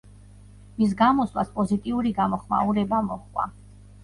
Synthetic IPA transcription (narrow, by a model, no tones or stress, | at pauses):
mis̬ɡamɔslˠa̰spʼɔzit̪ʼiuɾiɡamɔχma̰uɾɛbamɔχkʼwa̰